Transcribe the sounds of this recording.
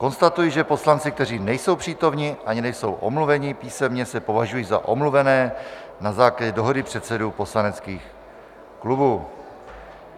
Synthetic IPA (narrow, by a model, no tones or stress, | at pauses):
ko̞nst̪at̪ujiʒɛpo̞slant͡sɪkt̪ɛr̝iːnɛjso̞wpr̥iːt̪o̞mɲɪʔaɲɪnɛjso̞wʔomluvɛɲɪpiːsɛmɲɛsɛpo̞vaʒujiːza̰ʔo̞mluvɛnɛːnazaːklaɟɛdo̞ɦo̞dɪpr̝̥ɛt̪sɛduːpo̞slanɛtt͡skiːx | klubuː